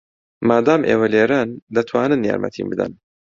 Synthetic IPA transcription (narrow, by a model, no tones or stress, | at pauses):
maːd̪aːmʔeːwɐleːɾand̪ɐt̪ʰwaːnɨnja̰ːɾmʔɐ̰t̪ʰḭːnbɨd̪ɐ̰n